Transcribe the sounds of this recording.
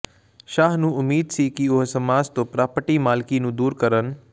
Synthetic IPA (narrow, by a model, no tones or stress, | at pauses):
ʃaːɦnũʊmːiːd̪sikiʊɦsɐmaːzt̪oːpɾaːpəʈimaːlkinũːd̪uːɾkɐɾənɪ̆